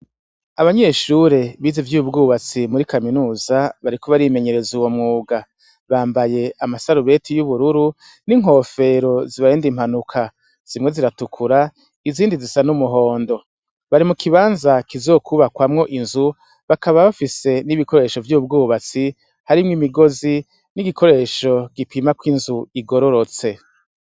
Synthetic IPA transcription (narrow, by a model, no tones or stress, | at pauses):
aβaɲe̞ːʃuɾe̞βiːzevjuβub̚ɡuːβat͡simuɾikaminuːzaβaɾikoβaɾime̞ɲe̞ɾe̞zuwomŋuːɡa | βaːmbaje̞amasaɾuβe̞tʰijuβuɾuɾu | niŋɦo̞ːfe̞ɾo̞ziβaɾeːndim̥hanukʰa | z̥imŋe̞ziɾatukʰuɾa | iziːndizisanumuɦo̞ːndo̞ | βaɾimukʰiβaːnzakizoːkʰuβakwamŋo̞ʔinzu | βakaβaβafise̞niβikʰo̞ɾe̞ːʃo̞vjub̚ɡuːβat͡si | haɾimŋimiɡo̞zi | niɡikʰo̞ɾe̞ːʃo̞ɡ̥ipimakwinzuiɡo̞ɾo̞ɾo̞t͡se̞